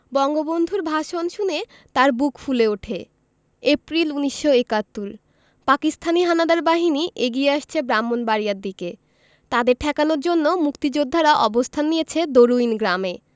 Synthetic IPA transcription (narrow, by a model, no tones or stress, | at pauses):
bɔŋɡobond̪ʱuɾbʱaʃonʃune | t̪aɾbukfuleoʈʰe | epɾiluniʃːoekat̪ːuɾ | pakist̪ʰaniɦanad̪aɾbaɦiniʔeɡieaʃt͡ɕʰebɾamːonbaɾijaɾd̪ike | t̪ad̪eɾʈʰɛkanoɾd͡ʑonːomukt̪id͡ʑod̪ʱːaɾaʔɔbost̪ʰanːijet͡ɕʰed̪oɾuinɡɾame